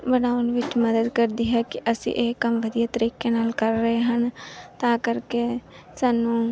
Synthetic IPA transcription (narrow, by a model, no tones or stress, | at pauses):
bənaːʊnʋɪt͡ʃməd̪əd̪kəɾd̪iːɦɛːkɪʔəsḭ̃ːʔeːkəmʋəd̪ijaːt̪əɾiːkeːnaːlkəɾːəɦeɦənt̪ãːkəɾkeː | saːnũː